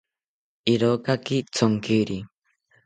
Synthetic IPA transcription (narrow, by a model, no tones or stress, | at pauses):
iɾokakit͡sʰoŋkiɾi